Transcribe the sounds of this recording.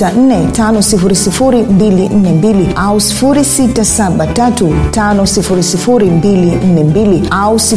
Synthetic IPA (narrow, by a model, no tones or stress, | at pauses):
an̩nɛtanɔsifuɾisifuɾimbilin̩nɛmbiliausi̥fuɾisitasaɓatatutanɔsifuɾisifuɾimbilin̩nɛmbiliausi